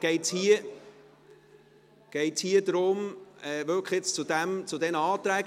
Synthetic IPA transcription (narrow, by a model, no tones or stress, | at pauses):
ɡ̥ɛɪthiə | ɡ̥ɛɪtshiəd̪ɾʊmɛːvølkχet͡st͡sʊd̪æmt͡sʊd̪ɛnəɑːt̪ɾæːɡ